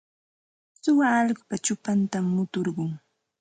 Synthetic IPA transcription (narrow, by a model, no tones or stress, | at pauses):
sʊwaːʎɢʊpat͡ʃʊpant̪amːʊt̪oɾɢʊŋ